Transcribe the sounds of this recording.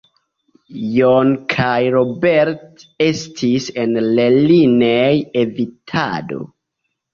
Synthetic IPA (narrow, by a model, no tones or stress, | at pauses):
jonkʰajɾobeɾtestʰise̞nlelinejevitʰa̰do̞̰